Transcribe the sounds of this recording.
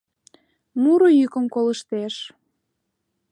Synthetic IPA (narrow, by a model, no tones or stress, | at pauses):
muɾojykəmkoləʃt̪eʃ